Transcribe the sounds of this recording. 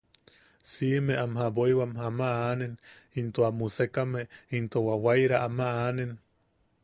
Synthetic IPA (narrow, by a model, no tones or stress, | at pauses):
simeʔamhaboiwamhamaanenint̪oamusekameint̪owawajɾaʔamaanen